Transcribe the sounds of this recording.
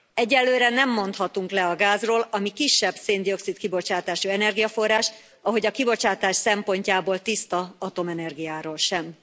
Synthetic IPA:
ɛɟːɛlːøːɾɛnɛmːo̞nt̪hɒt̪uŋklɛɒɡaːzroːlɒmikiʃːɛbseːnd̪io̞ksit̪kibo̞t͡ʃaːt̪aːʃuɛnɛrɡijɒfo̞rːaːʃ | ɒɦo̞ɟɒkibo̞t͡ʃaːt̪aːʃsɛmpo̞ɲcaːboːlt̪ist̪ɒɒt̪o̞mɛnɛrɡijaːɾoːlʃɛm

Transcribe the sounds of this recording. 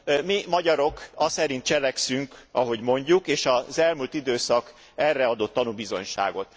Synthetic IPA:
mimɒɟɒɾo̞kɒsɛɾint̪̚t͡ʃɛlɛksyŋkɒɦo̞ɟmo̞ɲɟukeːʃɒzɛlmult̪id̪øːsɒk | ɛrːɛɒd̪o̞t̪ːɒnubizo̞̰ɲʃa̰ːɡo̞t̪

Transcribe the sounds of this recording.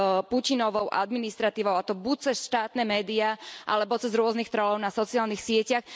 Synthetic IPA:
pucinɔʋɔʊʔa̰d̪minist̪ɾat̪iːʋɔʊat̪ɔbuc̚t͡sɛsʃt̪aːt̪nɛmɛːd̪iaʔa̰lɛbɔt͡sɛzɾʊɔznixt̪ɾɔlɔʊnasɔt͡siaːlnixsɪɛcax

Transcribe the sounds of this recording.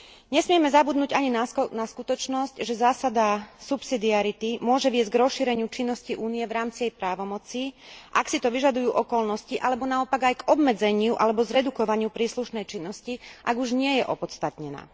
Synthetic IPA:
ɲɛsmɪɛmɛzabud̪nuːɟaɲinnaskut̪ɔt͡ʃnɔscʒɛzaːsad̪asupsid̪iaɾit̪imʊɔʒɛʋɪɛzɟɡɾɔsʃiɾɛɲɪut͡ʃinːɔsciʔuːnijɛʋɾaːmt͡sijɛjpɾaːʋɔmɔt͡siʔaksit̪ɔʋiʒad̪ujuːʔɔkɔlnɔsciʔalɛbɔnaɔpaɡajɡɔbmɛd͡zɛɲɪuʔalɛbɔzɾɛd̪ukɔʋaɲɪupɾiːsluʃnɛjt͡ʃinːɔsciʔaɡuʒɲɪɛjɛʔɔpɔt̪st̪at̪ɲɛna̰ː

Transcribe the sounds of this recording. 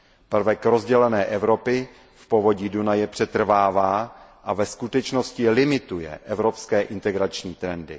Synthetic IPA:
pr̩vɛkɾozɟɛlɛnɛːʔɛvɾo̞pɪ | fpovo̞ɟiːdunajɛpr̥ɛt̪r̩vaːvaːʔavɛskut̪ɛt͡ʃno̞scɪlɪmɪt̪ujɛ̰ʔɛvɾo̞pskɛːʔɪnt̪ɛɡɾat͡ʃɲiːt̪ɾɛndɪ

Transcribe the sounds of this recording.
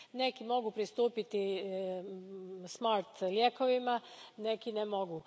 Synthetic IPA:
nekimo̞ɡupɾist̪uːpit̪i | smaɾt̪ljekoʋimanekinemo̞ɡu

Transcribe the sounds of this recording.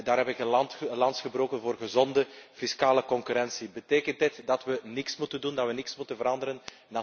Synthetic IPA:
daːɾɦɛpɪkəntlɑnsxəbroːkənvoːrɣəzɔndəfiskaːləkɔŋkyɾɛnsibəteːkəntdɪtdɑtʋənɪksmutəndundɑtʋənɪksmutənvəɾɑndəɾən | na

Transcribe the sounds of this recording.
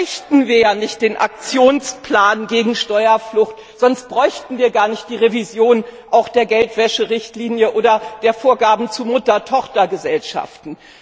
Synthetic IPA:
çtn̩viːɐjaːnɪçt̚d̥eːnʔa̰k̚t͡sjoːnsplaːnɡeːɡŋ̩ʃtɔʏɐflʊxt | z̥ɔnst̚b̥ʁɔʏçtn̩viːɐɡaːɐnɪçt̚d̥iːʁevizjoːnʔaʊxd̥eːɐɡɛltv̥ɛʃəʁɪçtliːnjəʔoːdɐd̥eːɐfoːɐɡaːbm̩t͡sumʊtɐtʰɔχtɐɡəzɛlʃa̰ftn̩

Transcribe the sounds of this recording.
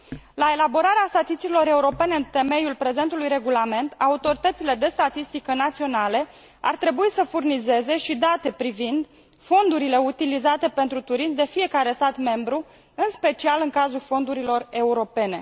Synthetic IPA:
lae̞labo̞ɾaɾeast̪at̪ist̪t̪ilo̞ɾe̞uɾo̞pe̞ne̞ɨnt̪e̞me̞julpɾe̞ze̞nt̪ulujɾe̞ɡulame̞nt̪aut̪o̞ɾit̪ət̪sile̞d̪e̞st̪at̪ist̪ikənat̪sio̞nale | a̰rt̪ɾe̞buisəfurnize̞ze̞ʃid̪at̪e̞pɾivind̪ | fo̞nd̪uɾile̞ut̪ilizat̪e̞pe̞nt̪ɾut̪uɾismd̪e̞fije̞kaɾe̞st̪at̪me̞mbɾu | ɨnspe̞t͡ʃialɨŋkazulfo̞nd̪uɾilo̞re̞uɾo̞pe̞ne̞

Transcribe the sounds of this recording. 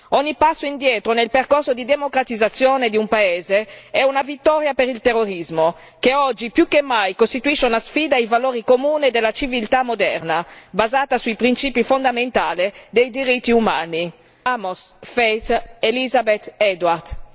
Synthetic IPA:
ɔɲːipasːoind̪jɛːt̪ɾonelperkorsod̪id̪emokɾat̪id̪zːat̪sːjoːned̪iumpaeːzeɛunavit̪ːɔːɾjapeɾilt̪erːoɾizmo | keɔd͡ʒːipjukːemːajkost̪it̪uiʃːeunasfiːd̪aivaloːɾikomuːned̪elːat͡ʃivilt̪amːod̪ɛ̰rnabazaːt̪asuipɾint͡ʃiːpifond̪ament̪aːled̪ejd̪iɾit̪ːiumaːni | amosfejt̪elizabet̪ɛd̪ward̪

